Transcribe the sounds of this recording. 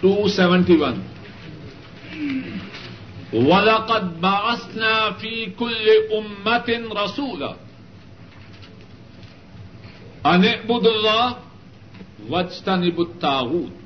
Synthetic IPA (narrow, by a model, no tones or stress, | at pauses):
tuːsɛvɛntiwan | walɑqɑd̪̚baʕasnaːfiːkʊlːɪʔʊmːat̪nɾˤɑsuːla̰ | ʔanɪʔbʊd̪alːɑːh | wad͡ʒt̪anɪbt̪ːaːwuːt̪̚